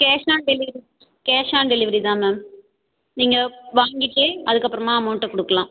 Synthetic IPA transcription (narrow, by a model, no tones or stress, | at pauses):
keːʂaːɳɖeliʋɐɾi | keːʂaːɳɖeliʋɐɾiðaːmmaːm | niːŋɡɐʋaːŋɡiʈːɨɐðukːɐpːɾɐmːaːmoːʈːɐkɔɽukːɐɭãːm